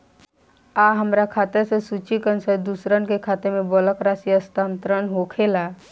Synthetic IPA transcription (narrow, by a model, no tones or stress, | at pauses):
aɦəmɾakʰaːt̪esesuːt͡ʃikənsəɾd̪usɾənkekʰaːt̪emẽbɔləkɾaːsiəst̪aːnt̪ɾənɦokʰela